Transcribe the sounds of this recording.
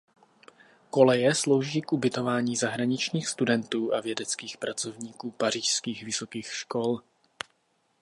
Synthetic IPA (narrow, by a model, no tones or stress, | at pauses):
ko̞lɛjɛslo̞wʒiːkʔubɪt̪o̞vaːɲiːzaɦɾaɲɪt͡ʃɲiːxst̪udɛnt̪uːʔavjɛdɛt͡skiːxpɾat͡sovɲiːkuːpar̝iːʃskiːxvɪso̞kiːxʃko̞l